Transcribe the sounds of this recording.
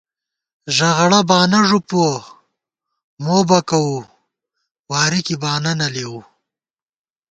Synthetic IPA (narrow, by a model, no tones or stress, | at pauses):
ʒɐɣɐɽabɑːnaʐupuo | moːbɐkawu | wɑːɾikibɑːnanɐlewu